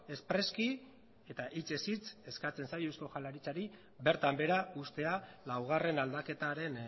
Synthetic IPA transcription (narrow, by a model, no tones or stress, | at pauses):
e̞spɾe̞ski | e̞t̪aʔit͡se̞sit͡se̞skat͡se̞nsajusko̞xalaɾit͡saɾi | be̞ɾt̪ambe̞ɾaʔust̪e̞alawɣ̞are̞nald̪ake̞t̪aɾe̞n